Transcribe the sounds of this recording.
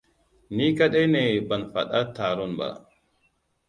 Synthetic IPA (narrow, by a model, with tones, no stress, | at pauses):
ni˦ka˦ɗɛ˦nɛ˨ba˨nfa̰˨ɗa˦ta˨ɾɔ˦nba̰˨